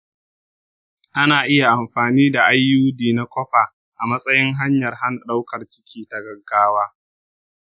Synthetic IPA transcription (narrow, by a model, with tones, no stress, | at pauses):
ʔa˦naː˨ʔɪ˦ja˨ʔa˨mɸaː˨niː˦da˨ʔa˦jːuː˦diː˨na˦kʷɔ˦ɸaː˨ | ʔa˨mɐ˦sʼɐ˦jɪ˦ŋɦa˦ɲjɐ˨rha˦nɗa˦wkɐ˨rt͡ʃɪ̥˦kʲʰiː˦ta˨ɡɐ˨ɡːaː˦waː˦